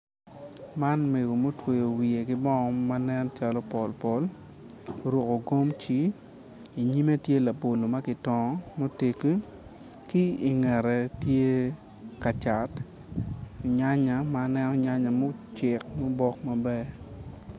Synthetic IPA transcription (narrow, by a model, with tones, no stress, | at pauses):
ma˦nme˨ɡo˨mo˦twe˨jo˨wi˨e˨kɪ˦bɔ˦ŋɔ˨˦ma˦nɛ˦nt͡ʃa˦lo˦pɔ˨lpɔ˦l | ɾwo˨ko˨ɡo˦mt͡ʃi˨˦ | i˨ɲi˦me˦tje˦la˨bo˨lo˨ma˦kɪ˨tɔ˨˦mo˦te˨ki˦ | ki˦i˨ŋɛ˨ɾɛ˨tje˦ | ka˨t͡ʃa˨t | ɲa˦ɲa˨ma˦nɛ˦nɔ˦ɲa˦ɲa˨mo˦t͡ʃɪ˨k̚mo˦bɔ˦kma˦bɛ˦